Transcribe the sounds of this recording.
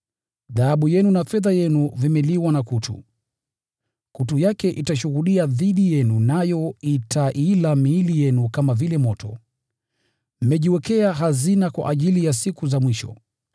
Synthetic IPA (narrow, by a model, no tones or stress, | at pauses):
ðaaɓujɛnunafɛðajɛnuvimɛliwanakutʰṵ | kutujakɛʔitaʃuɣuɗiaðiɗijɛnunajɔitʰaʔilamiːlijɛnukamavilɛmɔtɔ | m̩mɛʄiwɛkɛaɦazinakwa̰ʔaʄilijasikuzamwiʃɔ̰